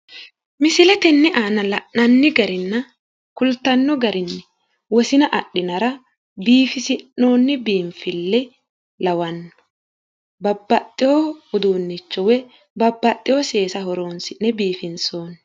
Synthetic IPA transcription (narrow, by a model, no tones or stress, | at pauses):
mɪsɪlɛt̪ɛnːɛʔaːnɐlɐʔɐnːɪɡɐɾɪnːɐ | kʊlt̪ɐnːɔɡɐɾɪnːɛ | wɔsɪnɐʔɐɗːɪnɐɾɐ | biːfɪsɪnːoːnːɪbiːɱfɪlːɛ | lɐwɐnːɔ̥ | bɐbːɐt̪ʼːɪjɔʊd̪uːnːɪt͡ʃːɔwɛ | bɐbːɐt̪ʼːɪjɔse̞ːsɐɦɔɾoːnsɪnːɛbiːfɪnso̞ːnː